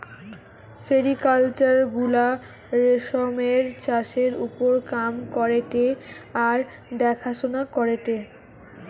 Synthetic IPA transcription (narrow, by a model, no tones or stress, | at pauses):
seɾikalt͡ɕaɾɡula | ɾeʃomeɾt͡ɕaʃeɾṵpoɾkamkɔɾeʈeaɾ | d̪ɛkʰaʃonakɔɾeʈe